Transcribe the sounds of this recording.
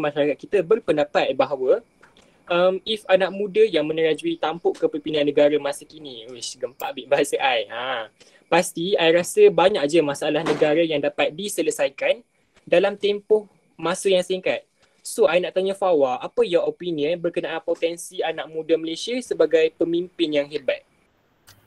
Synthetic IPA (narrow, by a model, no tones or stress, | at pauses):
mãʃaɾakat̪̚kit̪əbərpəndapat̪̚baɦawə | ʔəmifanak̚mũdəjaŋmə̃nəɾad͡ʒuit̪ampʊʔkːəpərpinanːə̃ɡaɾəmãsəkiniisɡəmpaʔbiʔbaɦasəʔaja | past̪iajɾasəbaɲak̚d͡ʒəmãsaalahnə̃ɡaɾəjaŋdapat̪̚disələsajkan | dalamt̪ɛmpʊh | mãsəjaŋsiŋkat̪̚ | soajnaʔt̪aɲafawaʔapəjɔopiniənbərkənãʔanpot̪ɛnsianaʔ̚mũdaməlesiasəbaɡajpəmimpɪnjaŋɦɛbat̪̚